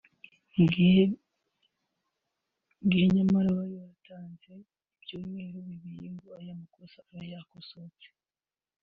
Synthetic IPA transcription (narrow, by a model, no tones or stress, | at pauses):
ŋɡiheɲamaɾawajojatʰaːnze̞ | ib̥ɟoːmŋe̞ːɾoβiβijeŋɡoajamakosaaɾajakosot͡se̥